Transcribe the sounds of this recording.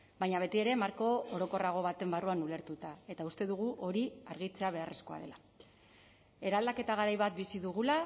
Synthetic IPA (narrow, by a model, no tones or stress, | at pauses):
bajɲaβ̞e̞t̪ie̞ɾe̞maɾko̞oɾo̞ko̞raɣ̞o̞βat̪e̞mbaruanule̞ɾt̪ut̪ae̞t̪aust̪e̞ðuɣuʔo̞ɾiaɾɣit͡se̞aβe̞are̞sko̞a̰ðe̞la | e̞ɾald̪ake̞t̪aɣaɾajβat̪̚bisiðuɣ̞ula